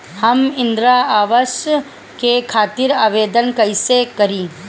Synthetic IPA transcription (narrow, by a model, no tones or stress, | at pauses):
hɐmɪ̃nd̪ɾaaːʋəʃ | kekʰaːt̪ɪɾaːʋeːd̪ənkɐɪsekɐɾĩː